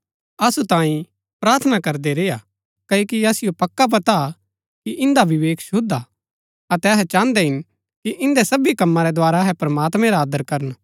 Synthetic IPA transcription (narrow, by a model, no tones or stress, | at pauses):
ɐsut̪ãːĩ | pɾaːɾt̪ʰnakɐɾd̪eɾeːja | kɐoːkiɐsɪjopɐkːap̬ɐt̪a | kiʔɪ̃nd̪aʋɪʋeːkʰʃʊd̪a | ɐt̪ɛɐɦɛt͡ʃãːnd̪ɛɦɪn | kiʔɪ̃nd̪ɛsɐbikɐmːãɾɛd̪oaːɾaɦɛpɾmaːt̪mɛ̃ɾaːd̪əɾkɐɾən